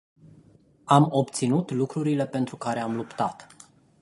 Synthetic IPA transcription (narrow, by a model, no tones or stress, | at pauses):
amo̞pt̪sinut̪lukɾuɾile̞pe̞nt̪ɾukaɾe̞amlupt̪at̪